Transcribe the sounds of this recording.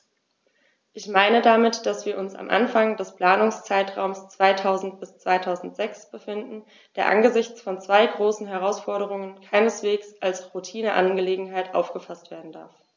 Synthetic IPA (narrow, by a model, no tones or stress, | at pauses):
ʔɪçmaɪnədamɪtd̥asv̥iːɐʔʊnsa̰mʔa̰nfaŋdɛspl̥aːnʊŋst͡saɪtʁ̥a̰ʊmst͡sv̥aɪtʰaʊzn̩tb̥ɪst͡sv̥aɪtʰaʊzn̩tz̥ɛksb̥əfɪndn̩ | d̥eːɐʔa̰nɡəzɪçt͡sfɔnt͡sv̥aɪɡʁoːsn̩ɦɛʁ̞aʊsfɔɐɾəʁ̞ʊŋənkʰaɪnəsv̥eːksʔalsʁutʰiːnəʔa̰nɡəleːɡŋ̩ɦaɪtʔa̰ʊfɡ̥əfastv̥eːɐdn̩da̰ɐf